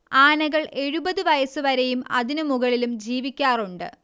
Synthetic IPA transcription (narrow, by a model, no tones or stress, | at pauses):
aːnɐɣɐɭe̞ɻubɐðɨʋɐjɐsɨʋɐɾɐjumɐ̰ðinumuɣɐɭilumd͡ʑiːʋikʲːaːruɳɖɨ̰